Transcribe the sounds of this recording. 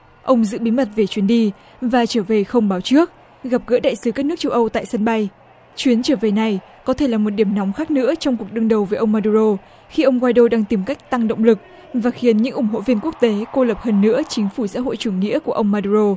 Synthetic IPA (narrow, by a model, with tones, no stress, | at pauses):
ʔə˧wŋ͡mzɨ̰˧˥ɓi˨˦mə˨˩t̚ve˨˩t͡ɕwi˨˦ənɗi˧ | vaː˨˩t͡ɕəː˧˩ve˨˩xə˧wŋ͡mɓaː˨˦wt͡ɕɨ˦˥ək̚ | ɣa˨˩p̚ɣə̰ː˧˥ɗa̰ː˧˨jsɨ˨˦ka˦˥k̚n˦˥k̚t͡ɕə˧wʔə˧wt̪a̰ː˧˨jsə˧nɓa˧j | t͡ɕwi˨˦ənt͡ɕəː˧˩ve˨˩na˨˩j | kɔ˨˦t̪ʰe˧˩laː˨˩mo˨˩t̚ɗi˧˩əmnɔ˨˦wŋ͡mxaː˦˥k̚nɨ̰˧˥ət͡ɕɔ˧wŋ͡mku˨˩ək̚ɗɨ˧əŋɗə˨˩wvəː˨˦jʔə˧wŋ͡mmaː˧ɗu˧zo˧ | xi˧ʔə˧wŋ͡mkwaː˧jɗo˧ɗaː˧ŋt̪i˨˩mka˦˥jk̟̚t̪a˧ŋɗə̰˧˨wŋ͡mlɨ˨˩k̚ | vaː˨˩xi˨˦ənɲɨ̰˧˥ŋʔʊ˧˩ŋ͡mɦo̰˧˨vi˧ənku˦˥ək̚t̪e˨˦ko˧lə˨˩p̚həː˧nːɨ̰˧˥ət͡ɕï˨˦ŋ̟fu˧˩sa̰ː˧˥ɦo̰˧˨jt͡ɕu˧˩əŋːḭ˧˥əku˧˩əʔə˧wŋ͡mːaː˧ɗu˧˩ɾo˧